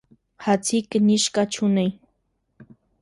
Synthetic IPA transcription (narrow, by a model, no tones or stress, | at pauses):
hat͡sɪknɪʃkat͡ʃʰʊnaj